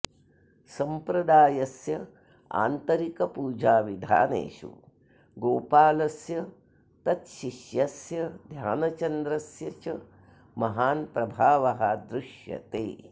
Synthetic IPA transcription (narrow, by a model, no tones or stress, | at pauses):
sɐmpɾɐd̪aːjɐsjɐ | a̰ːnt̪ɐɾikɐpuːd͡ʒaːʋid̪ʱa̰ːnḛːʃṵ | ɡoːpaːlɐsjɐ | t̪ɐt̪ʃiʃjɐsjɐd̪ʱjaːnɐt͡ʃɐnd̪ɾɐsjɐt͡ʃɐ | mɐɦaːnpɾɐbʱaːʋɐɦɐd̪ɾuʃjɐ̰t̪ḛː